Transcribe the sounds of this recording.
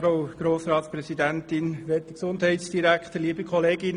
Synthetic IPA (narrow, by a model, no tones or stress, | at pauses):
ɾoʊɡ̥ɾoːsɾɑːt̪sprɛsidæntɪnʋɛtəksʊndhɛɪtsd̥iɾækχt̪əliəbəkχɔleːɡɪn